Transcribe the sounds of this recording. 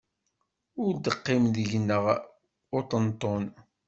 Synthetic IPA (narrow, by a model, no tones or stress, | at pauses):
ʊɾd̪əqːɪmðəʝnːəʁ | ʊt̪ˤənt̪ˤːon